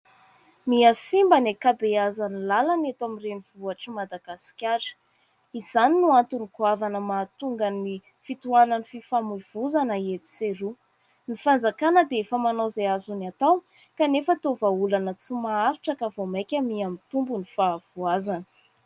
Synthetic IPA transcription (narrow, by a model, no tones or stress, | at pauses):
miasimbanekabeazanilalanet̪amireniv̥uaʈ͡ʂimad̪aɡasi̥kʲaɾə̥ | iz̥aninuant̪unikuavanəmat̪uŋɡəni | fit̪uanənififamuiv̥uzanəet̪i̥seɾu | nifand͡zakanəd̪eefəmanowzeazunat̪aw | kanefət̪ovaulanət͡simaaɾiʈ͡ʂəkavomajkʲəmiamit̪umbunifav̥uazanə̥